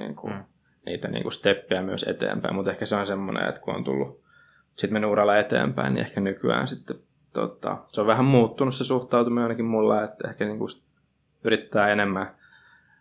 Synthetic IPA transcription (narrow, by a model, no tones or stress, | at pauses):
ḭːŋku | niːt̪ænḭːŋkust̪epːiæmyøsḛt̪ḛːmpæimut̪ehkæseonsemːonḛḛt̪kuo̰nt̪ṵlːu | sit̪menːyuːrɑlːɑet̪ḛːmpæinnḭehkænykyæ̰ːnsit̪ːe | t̪o̰t̪ɑ̰seoʋʋæhæmmuːt̪ːunussesuht̪ɑut̪umiɑinɑkimmulːɑet̪ːehkæniːŋkus | yrit̪ːæːenemːæ